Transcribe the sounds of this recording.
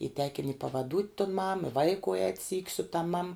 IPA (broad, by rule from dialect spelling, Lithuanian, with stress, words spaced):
iː tʲɛkʲɪnʲ ɪ pɐʋɐˈduːtʲ tʊn mɐm ɪ ˈʋɐɪkʊ ɛːtʲ sʲiːkʲ sʊ tɐm mɐm